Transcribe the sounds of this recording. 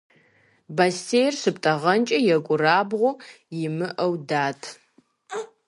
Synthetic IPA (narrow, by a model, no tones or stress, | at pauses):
basejrʂɨp̚ʼtʼɐʁɐnt͡ʃʼɐjɛkʷʼʊraːbʁʷʊ | jɪmɨʔɐwdaːtʰ